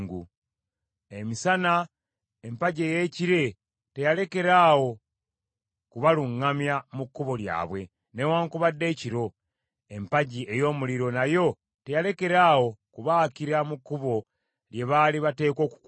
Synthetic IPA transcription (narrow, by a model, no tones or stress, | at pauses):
ŋɡu | emisana | empaɟe̞ːje̞ːciɾe̞ | te̞jale̞ke̞ɾaːwo̞ | kuβaluŋːamjamukːuβo̞lja̰ːβwe̞ | ne̞waːŋkuβadːe̞ːciɾo̞ | empaɟie̞jo̞ːmuliɾo̞najo̞ | te̞jale̞ke̞ɾaːwo̞kuβakiɾamukːuβo̞ | lje̞βaliβate̞ːko̞ːku̥k